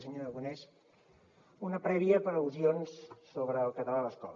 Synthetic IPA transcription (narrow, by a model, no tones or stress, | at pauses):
səɲoɾəɣunɛs | unəpɾɛβiəpəɾəwzionsːoβɾəːlˠkət̪əlaləskɔ̰l